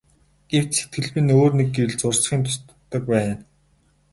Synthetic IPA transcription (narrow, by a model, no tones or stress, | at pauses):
ɡ̥ew̥t͡ɕse̥t̪̚ɡɘ̆ɮpɘ̆noːrnek̚ɡewɘ̆ɮt͡sʊrsχiːnt̪ʰʊ̥st̪t̪ːə̆k̚pæːn